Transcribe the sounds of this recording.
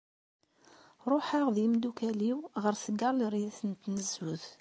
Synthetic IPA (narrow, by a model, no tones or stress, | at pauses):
ɾˤoħaʁðimd̪ukæliwʁəɾθəɡːɑˤlɾjæθənt̪nəzːuð